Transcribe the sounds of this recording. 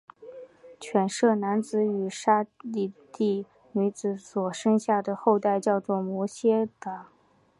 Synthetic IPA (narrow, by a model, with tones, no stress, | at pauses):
t͡ɕʰɥɛ˨˩nʂɤ˥˩na˧˥nt͡sɹ̩˧˥˦y˨˩ʂa˥li˥˧t̪i˥˩ | ny˧˥t͡sɹ̩˧˥swɔ˨˩ʂɤ˥ŋɕja˥˩d̪ə˩xo˥˧ʊt̪a˥˧ɪt͡ɕjɑ˥˧ʊt͡swɔ˥˩mwɔ˧˥ɕjɛ˥t̪ə˨˩˦